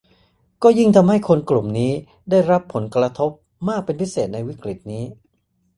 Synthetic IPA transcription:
kɔː˥˩ji˥˩ŋt̪ʰa˧mha˥˩jkʰo˧nklu˨˩mniː˦˥ | daː˥˩jɾa˦˥pʰːo˩˦nkɾa˧t̪ʰo˦˥p̚ | maː˥˩k̚pe˧npʰi˦˥seː˨˩t̪̚na˧jwi˦˥kɾi˨˩t̪̚niː˦˥

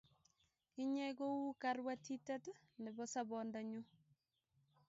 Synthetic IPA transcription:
ki˦ɲɛ˦ɡo˦wu˦karwatʰi˦tɛ˦t | nɛ˨bɔ˦sa˦bɔ˨nda˨ɲu˦

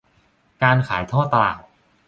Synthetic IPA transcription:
kaː˧nkʰaː˩˦jt̪ʰɔː˥˩t̪a˧la̰ː˨˩t̪̚

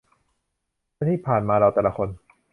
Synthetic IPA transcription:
a˥˩t̪ʰiː˥˩pʰaː˨˩nmaː˧ɾa˧wt̪ɛː˨˩la˦kʰo˧n

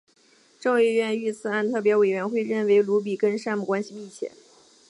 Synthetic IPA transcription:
ʈ͡ʂɤ˥˧ŋɛ˥˧ɥɛ˥˧ny˥˩t͡sʰɹ̩˨˩a˥˧nt̪ʰɤ˥˩p̬jɛ˧˥we˨˩ɪɥɛ˧˥nxwe˥˧ɪɻə˥˩nwe˧˥ɪlu˧˥p̬i˨˩kə˥nʂa˥˧nmu˥˩kwa˥nɕi˧mi˥˩t͡ɕʰjɛ̰˨˩˦n

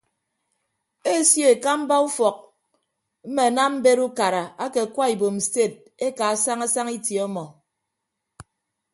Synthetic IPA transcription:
e˦sje˦e˨ka˦m̩˦ba˦u˦fɔ˨k̚ | m̩˦me˨a˨na˦m̩˦be˦ɾu˦ka˨ɾa˨a˦ke˨kwa˦i˨bo˨m̩˨ste˦˨t̚ | e˦ka˨a˨˦sa˦ŋa˦sa˦ŋi˦tje˨ɔ˦mɔ˨

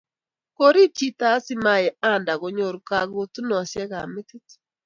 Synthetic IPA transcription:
ko˦ɾi˦t͡ʃi˦ta˦sɪ˦ma˦˨jɛ˨a˦˨nda˨ɣo˨ɲo˨ɾka˦ɡo˦tu˦nɔ˨sɛ˦ɣa̰˨mɪ˦tɪ˦t

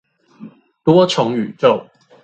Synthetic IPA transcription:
t̪wɔ˥ʈ͡ʂʰʊ˨˧˥ŋy˨˩ʈ͡ʂo˥˨ʊ

